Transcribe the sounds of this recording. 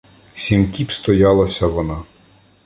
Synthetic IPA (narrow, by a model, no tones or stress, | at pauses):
sʲimkʲipst̪ɔjɑlˠɐsʲɐʋɔnɑ